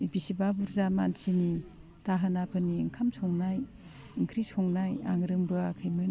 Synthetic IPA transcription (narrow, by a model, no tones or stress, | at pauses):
ibisibabuɾzamansini | taɦɯnapʰɯniŋkʰamsʰɔŋnaj | iŋkʰɾisʰɔŋnajaŋɾɯŋbɯakʰɯjmɯ